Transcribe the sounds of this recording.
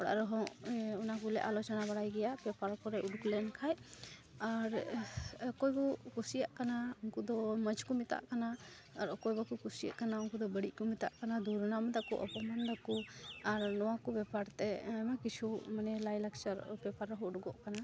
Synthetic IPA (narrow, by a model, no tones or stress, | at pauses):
ɔɽa̰ʔɾɔɦɔŋunakulɛ̰ʔalɔt͡ʃɔnabaɽajɡɛjabɛpaɾkɔɾɛuɖklɛnkʰaj | aɾɔkɔjɡɔkusijaʔkanaunkud̪ɔməd͡ʒkɔmit̪a̰ʔkanaː | ɾɔkɔjbɔkukusija̰ʔkanaunkud̪ɔbəɽiʔkɔmit̪a̰ʔkanad̪uɾnamd̪akṵʔɔ̰pɔmand̪akuaɾnɔwakɔbɛpaɾt̪ɛajmakit͡ʃʰumanɛlajlak̚t͡ʃaɾbɛpaɾɔɦɔuɖɡɔʔkana